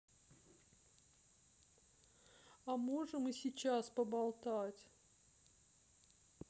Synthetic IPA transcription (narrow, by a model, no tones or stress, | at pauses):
ɐmoʐɨmɨsʲɪt͡ɕaspəbalˠt̪atʲ